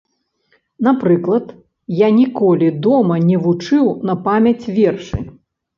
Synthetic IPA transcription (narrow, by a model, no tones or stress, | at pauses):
napɾɨklˠɐt̪ | janʲikɔlʲid̪ɔmɐnʲɛvut͡ʂɨwnɐpamʲɐt͡sʲvʲɛrʂɨ̰